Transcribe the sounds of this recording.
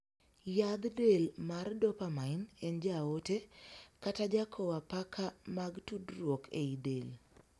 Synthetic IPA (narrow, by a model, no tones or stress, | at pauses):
jad̪delmardɔpamaɪnend͡ʒaotekatad͡ʒakʰowapakʰamaɡtudɾwokʰeidel